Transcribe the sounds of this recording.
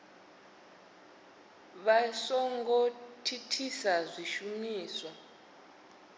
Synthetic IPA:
βasɔŋɡɔtʰitʰisazʷiʃumiːswa

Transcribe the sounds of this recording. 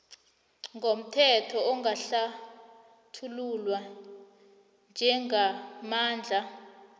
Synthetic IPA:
ŋɡʱom̩tʰɛtʰɔɔŋɡaɬa | tʰululwa | nd͡ʒʱɛŋamaːnd͡ɮʱa

